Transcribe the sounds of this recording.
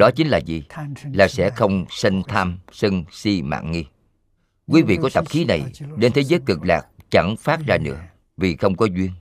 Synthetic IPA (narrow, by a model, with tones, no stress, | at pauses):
ɗɔ˨˦t͡ɕï˨˦ŋ̟laː˨˩zi˨˩laː˨˩sɛ̰˧˥xə˧wŋ͡msə˧ŋt̪ʰaː˧msə˧ŋsi˧ma̰ː˧˨ŋŋi˧ | kwi˨˦vḭ˧˨kɔ˨˦t̪ə˨˩p̚xi˨˦na˨˩jɗe˧nt̪ʰe˨˦zəː˨˦jkɨ˨˩k̚laː˨˩k̚t͡ɕa˧˩ŋfaː˦˥t̚zaː˧nɨ̰˧˥ə | vi˨˩xə˧wŋ͡mkɔ˨˦zwi˧ən